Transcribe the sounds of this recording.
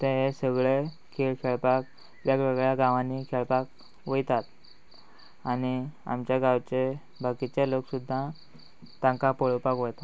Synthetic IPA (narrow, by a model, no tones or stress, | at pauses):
t̪ẽɦesəɡɭe | kʰeɭkʰeɭpak̚ | ʋjakʋeɡɭjaɡãʋãnːikʰeɭpak | ʋəjt̪at̪ | ania̰mt͡ɕjaɡawt͡ɕe | bʱakit͡ɕeloksud̪ʱːã | t̪ãŋkapəɭopakʋəjt̪at̪